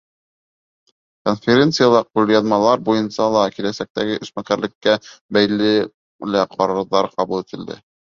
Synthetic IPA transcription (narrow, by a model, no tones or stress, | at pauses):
konfʲeɾʲe̞nt̪sɨjalˠɑq̚uljɑnmɑlˠɑɾbujɤnsɑlˠɑkilæsæk̚t̪æɡɘʔɵ̆ʃsmækæɾlɘ̆kːæbæjlɘ | læqʰɑɾɤ̆ɾðɑɾqɑβulˠit̪ɘ̆ld̪ɘ̰